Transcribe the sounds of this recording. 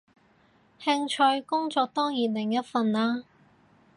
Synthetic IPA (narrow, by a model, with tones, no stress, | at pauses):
hɪ˥ŋt͡ʃʰɵ˧ɥkʊ˥ŋt͡sɔː˧k̚t̪ɔː˥ŋjiː˨˩nlɪ˨˩ŋjɐ˥t̚fɐ˧nlaː˥